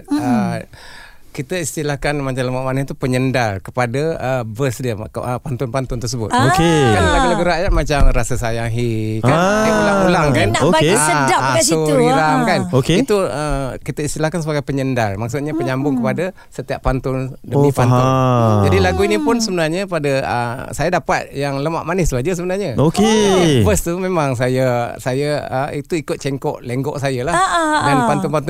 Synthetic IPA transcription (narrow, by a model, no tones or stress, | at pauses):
ə | kit̪əist̪ilahkanmat͡ʃamləmaʔmanət̪upəɲəndalkəpadaəbəsdiəəpant̪ʊnpant̪ʊnt̪ərsəbʊ̰t̪̚okekanlaɡulaɡuɾaʔjaʔ̚mat͡ʃamrasəsajaŋɦikaaaʔulaŋkanoeaədasuɾilaŋkanokeit̪uəkit̪aist̪ilahkansəbaɡajpəɲəndarmak̚sʊt̪̚ɲapəɲambʊŋkəpada | sət̪iaʔpant̪ʊndəipannd͡ʒadilaɡuinipʊnsəbənarɲəpadəə̰sajadapat̪̚jaŋləma̰ʔmanɪsbad͡ʒəs̬əbənarɲəokefəst̪umemaŋs̬ajasajaə̰it̪uikʊt̪̚t͡ʃɛŋkɔ̰ʔleŋɡɔʔsajalahɡanpant̪ʊnpant̪